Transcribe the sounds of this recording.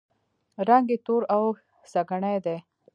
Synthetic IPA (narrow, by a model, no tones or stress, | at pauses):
ɾaŋɡet̪oɾaw | saɡaɳajd̪e